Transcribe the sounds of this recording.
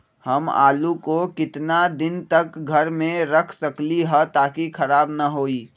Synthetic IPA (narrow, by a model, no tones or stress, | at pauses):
həma̰ːlukokɪt̪nad̪ɪnt̪ɐkɡʱəɾmẽɾəkʰsɐkliɦət̪aːkikʰɐɾaːbnəɦoːiː